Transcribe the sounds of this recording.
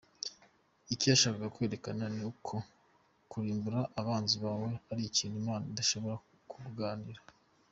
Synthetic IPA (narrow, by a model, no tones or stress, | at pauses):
icijaʃaːβaɡakwe̞ːɾe̞kananukʰo̞ | kuɾiːmbuɾaʔːβaːnziβaːwe̞aɾiiciːnimaːnaindaʃo̞βo̞ɾa | kʰuuɡaːniɾḁ